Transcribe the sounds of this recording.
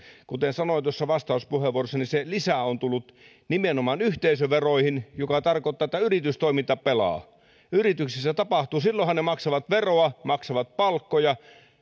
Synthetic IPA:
kut̪ensɑnoˑint̪uosːɑʋɑst̪ɑˑuspuheʋuorosːɑniselisæont̪ulːut̪ | nimenomɑnyht̪eisøʋeroihinjokɑt̪ɑrkoˑt̪ːɑːet̪ːæyrit̪yst̪oimint̪ɑppelɑ̰ː | yrit̪yksisːæt̪ɑpɑht̪uːsilːohɑnnemɑksɑʋɑt̪ʋeroɑmɑksɑʋɑt̪̚pɑlkːojɑ

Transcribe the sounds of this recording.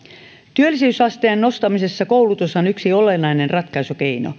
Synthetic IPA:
t̪yølːˑisyysɑst̪ejɑnːo̞st̪ɑmise̞sːɑkowlut̪usonyksiolenːɑinenrɑt̪kɑjsuke̞ino̰

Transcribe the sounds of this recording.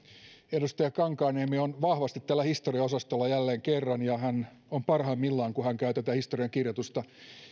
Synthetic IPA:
edust̪ɑjɑkɑŋkɑːneːmionʋɑhʋɑst̪it̪t̪æːlːæhist̪oriɑosɑst̪olːɑjælːeːŋkerːɑnjɑɦæn | ompɑrhɑmːilːɑːŋkuhæŋkæyt̪æt̪æhist̪o̞riɑŋkirjot̪ust̪ɑ

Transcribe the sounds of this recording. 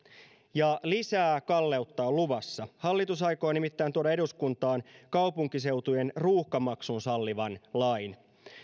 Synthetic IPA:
jɑlisæːkɑlːe̞ut̪ːɑoluʋɑsːɑhɑlːit̪usɑjkoːnimit̪ːæːnt̪uoɾɑeduskunt̪ɑːnkɑwpuŋkis̬e̞wt̪ujenruːhkɑmɑksunsɑlːiʋɑnlɑjn

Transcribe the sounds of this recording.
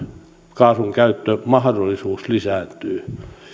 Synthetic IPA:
kɑːsʋuŋkæyt̪ːømɑhdolːˑisuːslisæːˑnt̪yː

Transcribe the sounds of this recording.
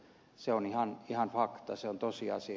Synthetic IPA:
seonihɑnihɑnfɑkt̪ɑseont̪osiɑ̰si

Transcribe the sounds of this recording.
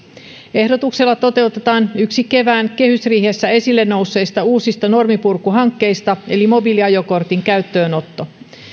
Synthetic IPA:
e̞hdot̪ukse̞lːɑt̪o̞t̪e̞wt̪e̞t̪ɑːnyksike̞ʋæːŋke̞hysriːhesːæe̞silːe̞nːo̞usːe̞jst̪ɑuːsist̪ɑno̞rmipurkːuɦɑŋkːe̞jst̪ɑe̞limo̞biliɑjo̞ko̞rt̪iŋkæyt̪ːø̞ːno̞t̪ːo̞

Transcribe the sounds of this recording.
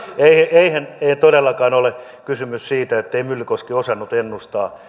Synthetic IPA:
eihæeihæneit̪odelːɑkɑːnole | kysymyssiːt̪æet̪ːeimylkoskiosɑnːut̪enːust̪ɑː

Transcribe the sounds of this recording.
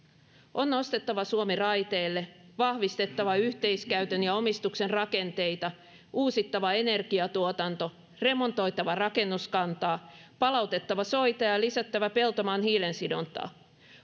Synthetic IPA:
ʔo̞nːo̞st̪e̞t̪ːɑʋɑsuomirɑjt̪e̞ːlːe̞ʋɑhʋist̪e̞t̪ːɑʋɑyçt̪e̞jskæɥt̪enjɑo̞mist̪ukse̞nrɑke̞nt̪e̞jt̪ɑ | uːsit̪ːɑʋɑene̞rɡ̥iɑt̪uot̪ɑnt̪o̞ | re̞mo̞nt̪o̞jt̪ɑʋɑrɑke̞nːuskɑnt̪ɑːpɑlɑwt̪e̞t̪ːɑʋɑso̞jt̪ɑjɑlisæt̪ːæʋæpe̞lt̪o̞mɑːnɦiːlensidont̪ɑ̰ː

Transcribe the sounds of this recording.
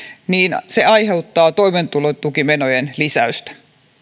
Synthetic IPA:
niːnseɑjhe̞ut̪ːɑːt̪oiment̪ulot̪t̪ukimenojenlisæyst̪æ̥

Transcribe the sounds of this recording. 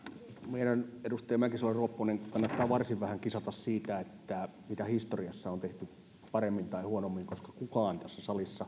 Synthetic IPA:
meiɾænedust̪ejmækisoleruopːoneŋkɑnːɑt̪ːɑːʋɑrsiʋʋæhæŋkisɑt̪ɑssiːt̪æet̪ːæ | mit̪æhist̪oriɑsːɑont̪eht̪y | pɑremːint̪ɑihuonomːiŋkoskɑ̥kukɑːnt̪æsːæsɑlisːɑ

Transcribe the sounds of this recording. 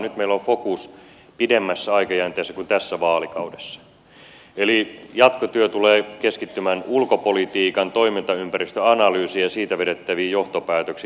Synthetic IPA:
nyt̪meilːofokus | pidemːæsːæɑikɑjænt̪eːsːækunt̪æsːæʋɑːlikɑudesːɑ̥ | elijɑt̪kot̪yøt̪uleːkeskit̪ːymænulkopolit̪iːkɑnt̪oimint̪ɑympærist̪øɑnɑlyːsiæsiːt̪æʋeɾet̪ːæʋiːjoht̪opæːt̪øksi

